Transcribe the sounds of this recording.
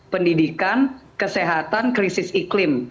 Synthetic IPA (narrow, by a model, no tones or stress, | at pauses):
pəndidikankəseɦat̪ankɾisɪsiklɪm